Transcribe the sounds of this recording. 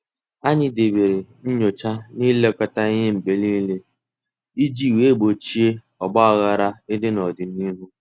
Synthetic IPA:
a˦ɲɪ˦de˨be˨ɾe˨n̩˦ɲo˨t͡ʃa˦ni˦le˦ɔ˨kɔ˦ta˦ɪ˦ɦe˦m̩˨k͡pe˨li˦le˦ | i˦d͡ʒi˦˨we˦˨bo˨t͡ʃi˦e˦ | ɔ˨bɔ˦a˨ɣa˨ɾa˦ɪ˦dɪ˦nɔ˨dɪ˨ni˦ɦu˦

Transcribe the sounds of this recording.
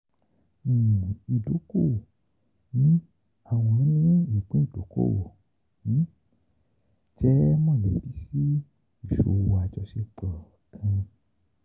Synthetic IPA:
i˨do˨˦ko˦˨ | nĩ˦ | a˦˨w̃ɔ̃˧˦nĩ˦i˦˨k͡pẽ˦˨to˨ko̰˦˨wo̰˨ | nĩ˨˦ | d͡ʒɛ˦mɔ̃˦˨le˨˦˨bi˦si˦ | i˨ʃo̰˨˧wa˨˧˨d͡ʒɔ˧ʃe˧˦k͡pɔ˨ | kʰã˧

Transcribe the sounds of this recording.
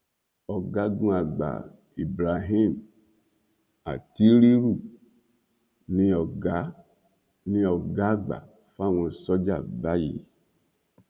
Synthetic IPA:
ɔ˨ɡa˨˦ɡũ˦a˨ɡ͡ba̰˨ | i˨bɾa˨ɦi˦˨m | a̰˨ti˦ɾi˦ɾu˦˨ | nĩ˧ɔ˨ɡa˦ | nĩ˧ɔ˨ɡa˦ɡ͡ba̰˨ | fa˦˨wɔ̃˧sɔ˦d͡ʒa̰˦˨ba˦jḭ˨

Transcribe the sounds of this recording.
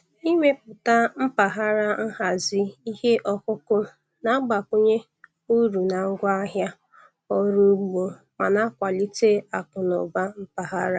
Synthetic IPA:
i˦me˦pʊ˨ta˦m̩˦pa˨ɦa˦ɾa˦n̩˦ɦa˨zi˦i˦he˦ʔɔ˦kʊ˦kʊ˦ | na˨˦ɡ͡ba˨kʊ˦ɲe˦ | u˦ɾu˨na˨ŋ̩˦ɡʷa˦ɦja˦ | ɔ˦ɾu˦ɡ͡bo˨ | ma˨na˦kʷa˨li˦te˦a˨kʊ˨nʊ̰˨ba˦m̩˦pa˨ɦa˦ɾa˦

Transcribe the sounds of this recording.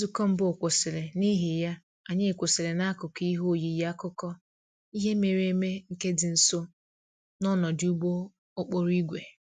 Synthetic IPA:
zu˨kɔ˦m̩˦bʊ˦˨kʷo˨sɪ˨le˨ni˦ɦi˨ja˦ | a˨ɲe˦e˨kʷo˨sɪ˨le˨na˦kʊ˨ki˦ɦo˦˨ji˨˦ja˦kʊ˦kɔ˦ | i˦ɦe˦me˨ɾe˦me˦ŋ̩˨ke˦dɪ˨n̩˨so˦ | nɔ˦nɔ˨dɪ˦u˦ɡ͡bo˦ | o˦k͡po˦ɾu˦i˦ɡʷe˨

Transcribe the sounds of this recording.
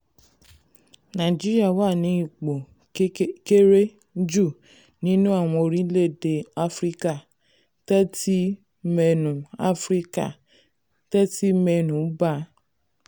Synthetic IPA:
nã˨d͡ʒi˦ɾi˦a˦˨wa˦˨nĩ˨˦i˦˨k͡po˨˦ | ke˦ɾe˦ | d͡ʒu˦˨ | nĩ˦nũ˦a˦˨w̃ɔ̃˧o˧ɾĩ˦le˦˨de˧a˦fɾi˦ka˦˨ | tɛ˦ti˦ | mɛ˧nũ˨a˦fɾi˦ka̰˦˨ | tɛ˦ti˦mɛ˧nũ˨˦ba˦

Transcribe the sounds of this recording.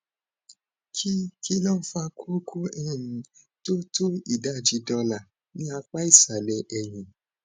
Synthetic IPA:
kʰi˦ki˦lɔ̃˦˨n̩˦fa˧kʰo˦kʰo˦ɛ˦˨jĩ˨˦ | to˦to˦i˦˨da˨˦d͡ʒi˧dɔ̃˧la˨ | nĩ˦a˧k͡pa˦i˦˨sa˨lɛ˧˦ʔɛ˨j̃ĩ˨

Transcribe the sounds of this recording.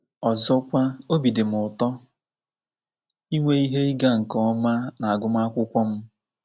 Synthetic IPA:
ɔ˨zɔ˦kʷa˦o˦bi˨dɪ˨m̩ʊ˨tɔ˦ | i˦ŋʷe˦i˦ɦe˦i˦ɡa˦ŋ̩˨kɔ˦ɔ˦ma˦na˨a˨ɡʊ˦m˦a˦kʷʊ˦kʷɔ˦m̩˦

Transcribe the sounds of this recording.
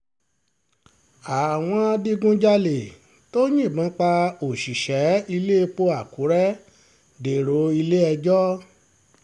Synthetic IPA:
a˨w̃ɔ̃˧a˧di˦ɡũ˦d͡ʒa˦le˨ | to˦j̃ĩ˦˨bã˨˦k͡pa˧o˨ʃi˨ʃɛ˨˦i˧le˦˧k͡po˧˦a˨ku˨˦ɾɛ˦ | de˨ɾo˨˦i˧le˦ɛ˧d͡ʒɔ˦

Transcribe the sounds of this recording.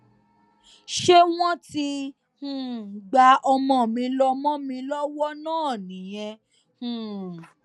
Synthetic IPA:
ʃe˦w̃ɔ̃˦ti˧ | hũ˨ɡ͡ba˨˧ɔ˧mɔ̃˧˨mĩ˧lɔ˧mɔ̃˦mĩ˧lɔ˦wɔ˦nãː˦˨nĩ˨j̃ɛ̃˧ | hũ˨

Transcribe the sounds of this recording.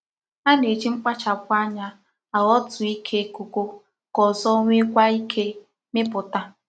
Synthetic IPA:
a˦ne˨d͡ʒi˦ŋ͡m̩˦k͡pa˦t͡ʃa˨kʷa˦ɲa˦ | a˨ɣɔ˦tʊ˨i˦kʰe˦ko˨ko˦ | kɔ˨zɔ˦ŋʷe˦kʷa˦i˦kʰe˦ | mɪ˦pʊ˨ta˦

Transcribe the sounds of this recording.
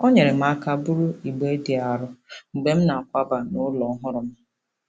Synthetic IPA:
o˦ɲe˨ɾɪ˨m̩˦˨a˨ka˨bʊ˦ɾʊ˦i˨ɡ͡be˦di˨a˨ɾʊ˦ŋ͡m̩˨ɡ͡be˨m̩˦na˨a˨kʷa˦ba˨nʊ˦lɔ˨˦ɦʊ˦ɾʊ˨m̩˦

